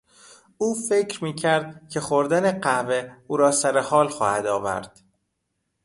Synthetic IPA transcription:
uːfe̞cʰɾmiːcʰæɾd̪̥̚cʰe̞xoɾd̪æneɢæveuːɾɒːsæɾehɒːlxɒːhæd̪ɒ̰ːvæ̰ɾd̪̥

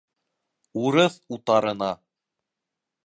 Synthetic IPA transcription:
uɾɤθut̪ɑɾɤ̆nɑ

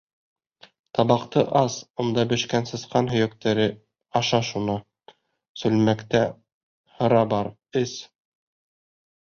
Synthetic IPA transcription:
t̪ɑβɑqt̪ɤʔɑsŏnd̪ɑbɘ̆ʃkænsɤ̆sqɑnɦɵ̆jɵk̚t̪æɾɘ | ɑʃɑʃunɤ | sɵ̆lmækt̪æ | hɤ̆ɾɑbɑɾ | ɘs

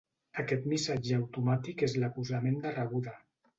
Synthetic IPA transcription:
akɛt̪misad͡ʒəawt̪umat̪ikezlakuzamend̪araβuða

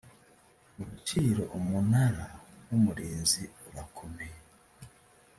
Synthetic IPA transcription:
uβut͡ʃiːɾo̞ʔumunaɾawumuɾeːnziuɾakʰome

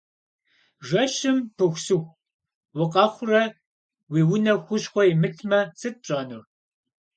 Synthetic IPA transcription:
ʒɐʃɪmpʰɨxʷsɨxʷ | wʊqɑxʷʊrɐ | wiːwʊnɐxʷʊɕxʷɔimɨtʰmɐsɨt̚pɕʼɐnur

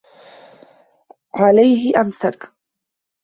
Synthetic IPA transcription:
ʕalajɦɪʔamsak

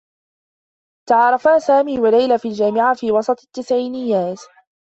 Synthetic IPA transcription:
t̪ɑʕɑːɾˤɑfaːsaːmiːwalajlafild͡ʒaːmɪʕafiːwɑsˤɑt̪ˤt̪ːɪsʕiːnɪjːaːt̪

